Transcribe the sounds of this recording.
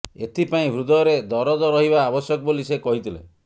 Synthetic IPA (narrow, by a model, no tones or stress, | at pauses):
et̪ʰipaĩbʱɾud̪ɔɾed̪ɔɾɔd̪ɔɾɔɦiβaːbɔsjɔkɔbolisekɔɦit̪ʰilḛ